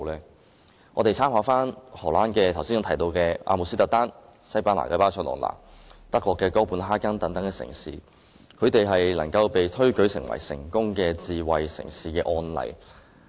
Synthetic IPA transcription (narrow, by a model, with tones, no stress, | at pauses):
lɛː˥ | ɔː˨˧t̪e˨jt͡sʰaː˥mhaː˨˧˥faː˥nhɔː˨˩laː˥nkɛː˧t̪ʰɐ˨˩wsi˥nʊ˧˥t̪ʰjt̪o˧wkɛː˧ʔa̰ː˧mu˨ksi˥t̪ɐ˨˥t̪aː˥n | sɐ˥jpaː˥nla̰ː˨˩kɛː˧paː˥t͡ʃʰɔː˧˥nlɔ̰ː˨˩nla̰ː˨˩ŋt̪ɐ˥kːɔː˧kːɛː˧kɔː˥puː˨˥nɦaː˥kɐ˥nt̪ɐ˨˥ŋt̪ɐ˨˥ŋkɛː˧sɪ̰˨˩ŋsḭː˨ | kʰɵ˨˧ɥt̪e˨jɦɐ˨jlɐ˨˩ŋkɐ˧wpe˨jt̪ʰɵ˥ɥkɵ˨˥ɥsɪ˨˩ŋwɐ̰˨˩jsɪ̰˨˩ŋkʊ˥ŋkɛː˧t͡siː˨wɐ˨jsɪ̰˨˩ŋsiː˨kɛː˧ʔɔː˧nlɐ̰˨˩j